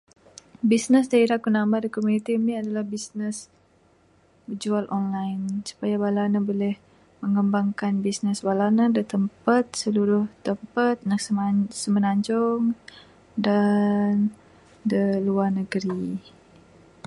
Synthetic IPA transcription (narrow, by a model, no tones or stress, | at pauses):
bisnəsdaiɾakunambadikomunit̪imniadalahbisnəs | bəd͡ʒualʔɔnlajnsu̥pajawalanabolɛh | məŋəmbaŋkanbisnəswalanadət̪əmpat̪̚səluɾʊht̪əmpat̪̚nak̚səsəmənaɲd͡ʒɔŋ | dan | dəluarnəɡəɾi